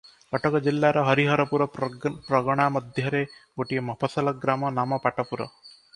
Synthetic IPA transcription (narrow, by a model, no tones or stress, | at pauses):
pɔʈɔkɔd͡ʒilːaɾɔɦɔɾiɦɔɾɔpuɾɔpɾɔɡɔɽ̃amɔd̪ʱjɔɾeɡoʈimɔpʰɔsɔlɔɡɾamɔnamɔpaʈɔpuɾɔ̰